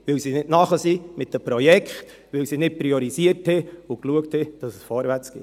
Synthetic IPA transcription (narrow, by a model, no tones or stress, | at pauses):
ʋɪwsinɪtnɑχəsimɪt̚dəpɾɔjɛkχt | ʋɪwsinɪt̚pɾiɔɾisiərthɛʊkluəkthɛd̥ɑsəsfɔɾʋæt͡sɡ̥ḭ